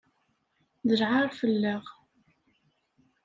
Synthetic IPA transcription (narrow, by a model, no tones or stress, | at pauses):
ðəɾʕaɾˤfəlːəʁ